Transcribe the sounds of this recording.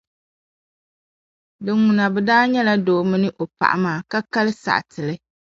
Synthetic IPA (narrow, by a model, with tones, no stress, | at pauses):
dɨ˨ŋu˨na˨bɛ˨daː˦ɲɛ˦la˦doː˨˦mɨ˦nɨ˦ʔo˨pa̰˨ʔa̰˨maː˨ka˦ka˦lɨ˦sa̰˨ʔtɨ˨lɨ˦